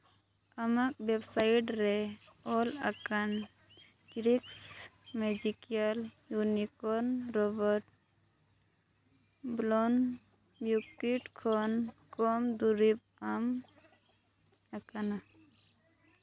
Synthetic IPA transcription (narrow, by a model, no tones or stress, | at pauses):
amak̚bebsaiʈɾeɔlakan | d͡ʒɾiksmed͡ʒikijaljunikɔɾnɾɔbəɾʈ | blɔn | bjukiʈkʰɔnkɔmd̪uɾip̚am | akana